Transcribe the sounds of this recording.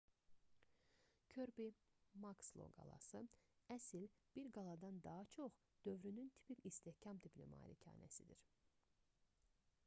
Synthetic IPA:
cʰøɾbimɑkslˠo̰ɡɑ̰lˠɑ̰sɯæsilb̥iɾɡɑlˠɑd̪ɑnd̪ɑɦɑt͡ʃʰoχ | d̪̥ø̞vɾynynt̪ʰi̥picist̪ehcʰɑmt̪ʰiplḛmɑ̰ːɾḭcʰɑ̰ːnæ̰sid̪iɾ

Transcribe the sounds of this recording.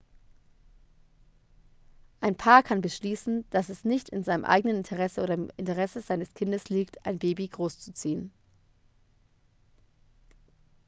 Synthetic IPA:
ʔaɪnpʰaːɐkʰanbəʃliːsn̩d̥asɛsnɪçtɪnzaɪnəmʔa̰ɪɡənənɪntʰəʁ̞ɛsəʔoːdɐɪmɪ̰ntəʁɛsəzaɪnəskʰɪndəsliːktʰʔaɪnbeːbiɡʁoːst͡sut͡siːən

